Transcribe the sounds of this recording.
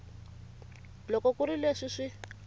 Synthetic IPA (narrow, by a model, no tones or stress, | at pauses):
lɔkɔkuɾileʂiʂi